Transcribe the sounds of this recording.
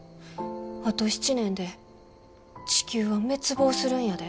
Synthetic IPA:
at̪o̞ɕi̥t͡ɕinẽ̞nd̪e̞ | t͡ɕi̥kʲɨːβame̞t͡sɨbo̞ːsɨɾɯ̟̃ɰ̃jad̪e

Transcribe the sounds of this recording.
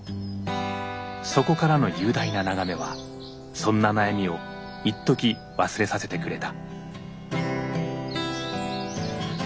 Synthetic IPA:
so̞ko̞kaɾano̞jɯ̟ːd̪ainanaɡame̞βa | sõ̞nːanajamʲio̞ | it̪ːo̞kʲi | βasɨɾe̞sase̞t̪e̞kɯ̟ɾe̞t̪a

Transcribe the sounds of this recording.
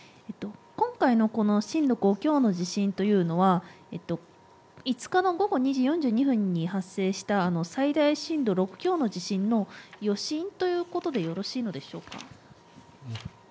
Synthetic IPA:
e̞t̪ːo̞kõ̞ŋkaino̞ko̞no̞ɕĩnd̪o̞kɯokʲo̞ːno̞ʑiɕĩnt̪o̞jɯ̟ːno̞βa | et̪ːo̞ | it͡sɨ̥kano̞ɡo̞ɡo̞ɲ̟iʑiːjõ̞ɲ̟d͡ʑɨːɲ̟iɸɯ̟̃ɲ̟ːiɦasːe̞ːɕi̥t̪aːno̞said̪aiɕĩnd̪o̞ɾo̞kɯ̟̥kʲo̞ːno̞ʑiɕĩnːo̞jo̞ɕĩnt̪o̞jɯ̟ːko̞t̪o̞d̪e̞jo̞ɾo̞ɕiːno̞d̪e̞ɕo̞ːka̰

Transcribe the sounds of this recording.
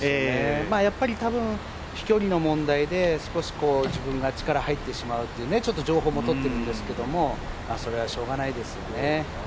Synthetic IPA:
eːmaːjapːaɾʲit̪abɯ̟̃ɰ̃ | çi̥kʲo̞ɾʲino̞mõ̞nd̪aid̪e̞sɨ̥ko̞ɕi̥ko̞ːʑibɯ̟̃ŋɡat͡ɕi̥kaɾahait̪ːe̞ɕimaɯ̟t̪ːeiɯːnet͡ɕo̞t̪ːo̞ʑo̞ːɦo̞ːmot̪ot̪ːe̞ɾɯ̟̃nd̪e̞sɨ̥ke̞d̪o̞mo̞ | maːso̞ɾe̞βaɕo̞ːɡanaid̪e̞sɨjo̞̰ne̞

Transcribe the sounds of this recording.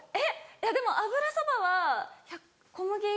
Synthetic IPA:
ejad̪e̞mo̞ʔabɯ̟ɾasobaβaçakː | omɯ̟ɡʲe

